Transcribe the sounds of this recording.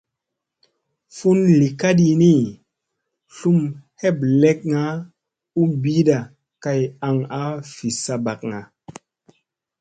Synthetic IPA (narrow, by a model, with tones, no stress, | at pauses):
fu˦nli˨ka˦ɗi˧ni˦ | ɬu˦mhe˦˨ble˦k̚ŋa˦ | u˦bi˦ɗa˨ | ka˧ja˨ŋa˦fi˨sa˧ba˨k̚ŋa˨